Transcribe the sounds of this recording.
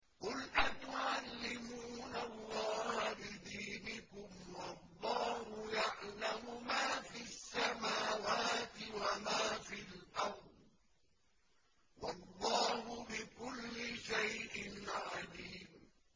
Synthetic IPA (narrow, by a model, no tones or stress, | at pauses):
qʊlʔat̪ʊʕalːɪmuːnalˤːɑːhabɪd̪iːnɪkʊmwɑlˤːɑːhʊjaʕlamʊmaːfiasːamaːwaːt̪ɪwamaːfilʔɑɾˤd̪ | wɑlˤːɑːhʊbɪkʊlːɪʃajʔɪnʕaliːm